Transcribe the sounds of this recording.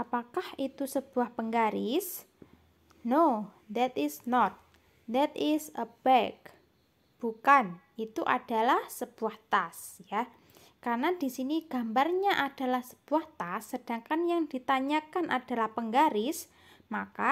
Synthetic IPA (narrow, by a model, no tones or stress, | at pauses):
ʔapakahit̪usəb̥uahpəŋɡaɾɪs | nod̪ɛt̪ɪsnɔt̪̚ | d̪ɛt̪ɪsəb̥ɛk | b̥ukan | it̪uʔa̰d̥a̤lahsəb̥uaht̪asja | karnadisiniɡ̥a̤mbarɲaʔad̥a̤lahsə̥b̥uaht̪asːəd̥aŋkanjaŋd̥i̤t̪aɲakanʔad̥a̤lahpəŋɡaɾɪs | maka